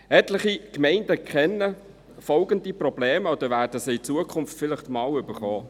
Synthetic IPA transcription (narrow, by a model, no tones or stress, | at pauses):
ɛtləχikmɛɪndəkʰχɛnːə | fɔlɡəndiprɔb̥leːməod̥̪əvæːɾd̥əsəit͡suəkʰʊmftfɪlɪχtmɑːlʏb̥əɾχɔː